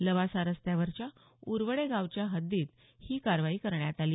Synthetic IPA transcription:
ləʋasaɾəst̪jaʋəɾt͡ɕja | uɾʋəɽeɡaʋt͡ɕjaɦəd̪ːiːt̪̚ | hiːkaɾʋaiːkəɾɳjat̪ali

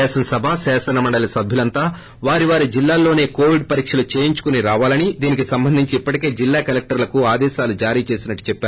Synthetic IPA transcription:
ɛːsɐnɐsɐbʱasɛːsɐnɐmɐɳɖɐlɐsɐbʱjulɐnt̪aː | ʋaːɾiʋaːɾid͡ʒilːaːlːo̞ːne̞ːko̞ːʋiɖpɐɾiːkʂɐlut͡ʃeːjiɲt͡ʃu̥kuniɾaːʋaːlɐnid̪iːnik̬isɐmbɐnd̪ʱiɲt͡ʃiipːɐʈike̞ːd͡ʒilːaːkɐlek̚ʈɐɾlɐkuaːd̪ɛːʃaːlud͡ʒaːɾiːt͡ʃe̞ːsinɐʈːu̥t͡ʃɛpːaːɾu

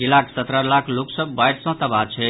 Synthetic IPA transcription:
ilakʰsət̪ɾəlakʰloksəbbajʈsə̃t̪əbat͡ʃʰɛ

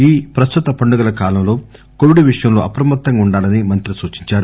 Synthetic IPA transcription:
iːpɾɐst̪ut̪ɐpɐɳɖuɡɐlɐkaːlɐmlo̞ː | koʋiɖʋiʂɐjɐmlo̞ːʔɐpɾɐmɐt̪ːɐŋɡauɳɖaːlɐnimɐnt̪ɾisuːt͡ʃiɲt͡ʃaːɾu

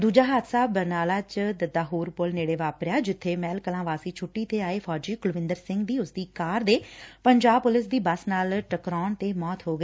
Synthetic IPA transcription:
d̪uːd͡ʒaːɦaːt̪saːbːəɾnaːlaːt͡ʃd̪əd̪aːɦuːɾpʊlneːɽeːʋaːpɾɪaːd͡ʒɪt̪ʰːeːmɛːlkəlãːʋaːsiːt͡ʃʰʊʈːiːt̪eːaːeːpʰɔːd͡ʒiːkʊlʋɪ̃nd̪əɾsɪ̃ŋɡd̪iːʊsd̪iːkaːɾd̪eːpəɲd͡ʒaːb̚pʊlɪs̬d̪iːbəsnaːlʈəkɾɔːɳt̪eːmɔːt̪ɦoːɡeː

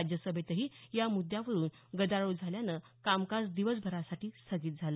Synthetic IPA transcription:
d͡ʑjəsəbʱet̪əɦiːjamud̪jaʋəɾuːnɡəd̪aɭod͡zʱaljanəkamkasd̪iʋəsbʱəɾasaʈiːst̪ʰəɡiːt̪̚d͡zʱalə

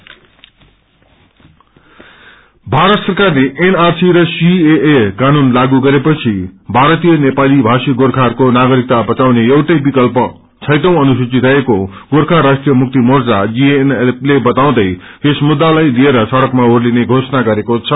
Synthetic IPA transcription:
bʱaɾʌt̪sʌrkarleʔenarsiɾʌsieekanunlaɡuɡʌɾepʌt͡sʰibʱaɾʌt̪ijʌnepalibʱasiɡorkʰarkonaɡʌɾik̚t̪abʌt͡sawneʌwʈʌjbikʌlpʌ | t͡sʰʌjt̪ʌ̃w̃ʌnus̬it͡sit̪ʰʌeko | ɡoɾkʰarːasʈrijʌmuk̚t̪imord͡zad͡zieneplebʌt̪aw̃d̪ʌj | kesmud̪ːalajlieɾʌsʌɽʌkmaorlineɡʱosʌnaɡʌɾekot͡sʰʌ

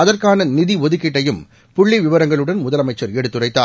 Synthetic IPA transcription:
ɐðɐrkaːnɐnɪðiʋɔðɯkːɪʈːɐjɯm | pʊɭːɪʋɪʋɐɾɐŋɡɐɭɯɽɐnmʊðɐlɐmɐɪt͡ʃːɐɾɛɽɯt̪ːɯrɐɪt̪ːaː

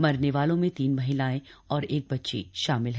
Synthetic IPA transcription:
mɐɾneʋaːlõmẽt̪iːnmɐɦɪlaːẽɔːɾeːk̚bɐtːʃḛʃaːmɪlɦɛ

